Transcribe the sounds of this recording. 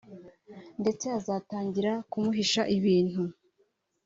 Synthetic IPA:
nde̞t͡seazaːtaːɲɟiɾakumuɦiʃaʔiβiːn̥hu

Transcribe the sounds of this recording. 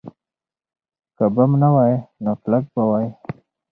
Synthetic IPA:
kabamnawaːjnoklak̚bawaːje

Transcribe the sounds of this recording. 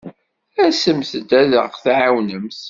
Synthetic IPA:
æsəmθd̪æðəʁθʕawnəmθ

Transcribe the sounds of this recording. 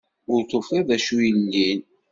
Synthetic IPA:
ʊɾt̪ːofiðæʃujənːin

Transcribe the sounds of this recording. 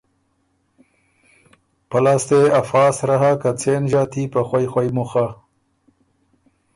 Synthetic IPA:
pɐlaːst̪eɐfaːsɾaɦakat͡sʰeːnʑaːt̪ʰipɐxwajxwajmuxa

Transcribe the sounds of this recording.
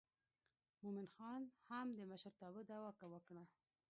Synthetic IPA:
momɪnxɑnhamd̪əməʃaɾt̪ɑbəd̪ɑwɑkawəkɳa

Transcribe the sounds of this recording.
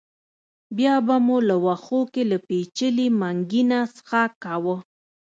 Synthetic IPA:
bjɑbamulawaxokelapet͡ʃəlimaŋɡinasə̥xakawə

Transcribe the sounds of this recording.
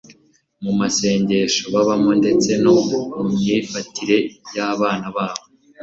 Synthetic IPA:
mumase̞ːɲɟe̞ʃo̞βaβamonde̞t͡se̞no̞mumɲiːfatʰiɾe̞jaβaːnaβaːβo

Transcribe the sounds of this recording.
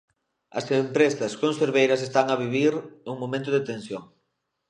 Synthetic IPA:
ɐ̰sempɾesɐskonseɾβejɾɐs̬est̪aŋɐβiβiɾnuŋmõmẽnt̪ʊðet̪ẽnsjoŋ

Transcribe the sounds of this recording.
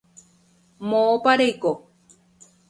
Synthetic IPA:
moːpaɾejko

